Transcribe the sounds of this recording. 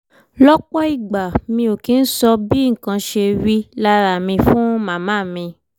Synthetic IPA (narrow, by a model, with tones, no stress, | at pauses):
lɔ˦k͡pɔ˦i˦˨ɡ͡ba˨mĩ˧o˨ki˨˦n̩˦sɔ˧bi˦ŋ̩˨kã˧ʃe˧ɾi˦la˦ɾa˨mĩ˧fũ˦mã˨mã˦˨mĩ˧